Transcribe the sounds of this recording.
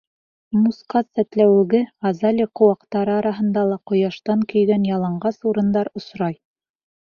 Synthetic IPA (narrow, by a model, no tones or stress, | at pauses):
musqɑsæt̪læwɘ̆ɡɘɑzɑlʲiqŏwɑqt̪ɑɾɤɑɾɑɦɤ̆nd̪ɑlˠɑqŏjɑʃt̪ɑŋkɵ̆jɡænjɑlˠɑɴɢɑsuɾɤ̆nd̪ɑɾŏsɾɑj